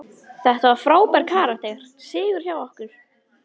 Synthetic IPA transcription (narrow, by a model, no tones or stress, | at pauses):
θɛht̪avafɾaːwpɛɾkʰaːɾaht̪eːjɣaɾ̥ | sɪːɣʏɾ̥çaːwɔhkʏɾ̥